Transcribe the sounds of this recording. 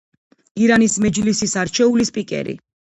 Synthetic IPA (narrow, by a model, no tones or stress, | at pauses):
iɾanismɛd͡ʒlisisaɾt͡ʃʰɛulispʼikʼɛ̰ɾḭ